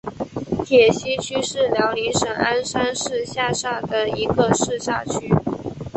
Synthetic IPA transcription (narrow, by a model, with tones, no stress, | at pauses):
t̪ʰjɛ˨˩ɕi˥t͡ɕʰy˥ʂɻ̩˥˩ljɑ˧˥ʊli˧˥nʂə˨˩ŋa˥nʂa˥nʂɻ̩˥˧ɕja˥˧ʂa˥˩d̪ə˩i˧˥ɡə˧ʂɻ̩˥˧ɕa̰˥˧t͡ɕʰy˥